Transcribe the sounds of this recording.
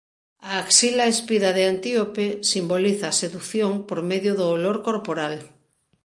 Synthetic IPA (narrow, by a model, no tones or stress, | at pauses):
aːksilaespiðaðeant̪iopesimboliθaːseðukθjoŋpoɾmeðjʊðoːloɾkoɾpoɾal